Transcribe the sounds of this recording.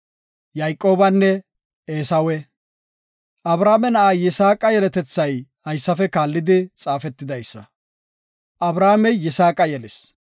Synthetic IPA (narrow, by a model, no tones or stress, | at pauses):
jɐjkʼːo̞ːbɐnːɛ | eːsɐwɛ | ʔɐbɾaːmɛnɐʔajɪsaːkʼɐjɛlɛt̪ɛt͡sːɐjhɐjsːɐfɛkaːlːɪd̪ɪt͡sʼaːfɛt̪ːɪd̪ɐjsːɐ | ʔɐbɾaːmɛjːɪsaːkʼɐjɛlɛs